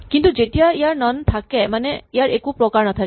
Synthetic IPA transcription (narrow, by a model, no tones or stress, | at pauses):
kint̪ud͡ʒeʈiaejaɾnɔnt̪ʰakɛmaneejaɾekupɾɔkaɾɳ̃ɔt̪ʰak